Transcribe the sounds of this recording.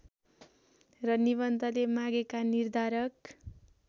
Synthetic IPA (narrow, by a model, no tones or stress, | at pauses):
rʌniβʌnt̪ʌlemaɡekanird̪ʱaɾʌk